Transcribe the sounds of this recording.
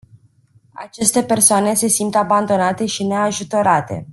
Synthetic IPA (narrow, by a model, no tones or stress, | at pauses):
a̰t͡ʃe̞st̪e̞pe̞rsoane̞se̞simt̪aband̪o̞nat̪e̞ʃine̞aʒut̪o̞ɾat̪e̞̰